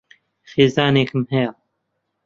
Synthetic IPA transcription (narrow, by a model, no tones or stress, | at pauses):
xeːzaːneːkʰɨmhɛja